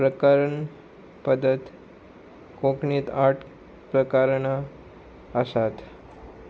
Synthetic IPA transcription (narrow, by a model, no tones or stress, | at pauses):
pɾəkaɾəɳ | pəd̪ət̪ | kõkɳiːt̪aʈʰ | pɾəkaɾɳa | əsat̪